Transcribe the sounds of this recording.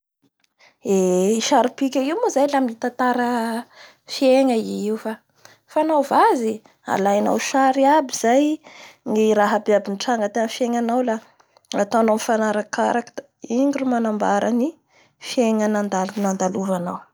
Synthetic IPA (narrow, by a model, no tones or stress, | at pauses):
eiʃaɾipikʲaiwmozajlaminit̪ant̪aɾə | fieɲəiiwufa | fanawvazi | a̰lajna̰wʃaɾiabiz̥ajŋiɾaɦabiabiniʈ͡ʂaŋɡət̪enfieŋanawla | at̪oanoamfanaɾakaɾakə̥d̪a | iŋɡurumanambaɾani | fieɲənand̪alunand̪aluvanaw